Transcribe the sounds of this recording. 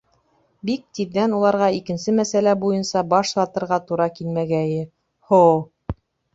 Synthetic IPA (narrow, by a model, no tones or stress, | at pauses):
bik̚t̪iðːænulˠɑɾʁɑikɘ̆nsɘmæsælæbujɤnsɑbɑʃsɑt̪ɤ̆ɾʁɑt̪uɾɑkilmæɡæjɘ | how